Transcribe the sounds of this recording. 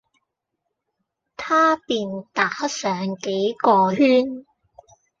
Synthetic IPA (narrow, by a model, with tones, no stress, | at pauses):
t̪ʰaː˥piː˨˧nt̪aː˨k̚hɐ˥t̚sœː˨˧ŋke˨˥jkɔː˧hyː˥n